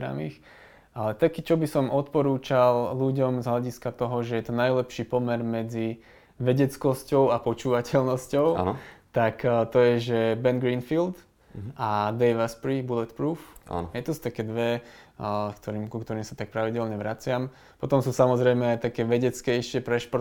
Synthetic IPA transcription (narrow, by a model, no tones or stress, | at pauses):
ɾa̰mix | alɛt̪akiːt͡ʃɔbisɔmɔt̪pɔɾuːt͡ʃalluɟɔmzɦlaɟiskat̪ɔɦɔʒɛjɛt̪ɔnajlɛpʃiːpɔmɛɾmɛd͡zi | ʋɛɟɛt͡skɔscɔʊapɔt͡ʃuːʋacɛlnɔscɔʊ̰t̪akt̪ɔjɛʒɛbɛnɡɾiːnfild̪ | ad̪ɛjʋaspɾibulɛt̪pɾuːfa̰n̰jɛt̪ɔsu̥t̪akɛːd̪ʋɛ | kt̪ɔɾiːmkukt̪ɔɾiːmsat̪ak̚pɾaʋiɟɛlɲɛʋɾat͡sɪam | pɔt̪ɔmsuːsamɔzɾɛjmɛajt̪akɛːʋɛɟɛt͡skɛjʃɪɛpɾɛʃpɔɾ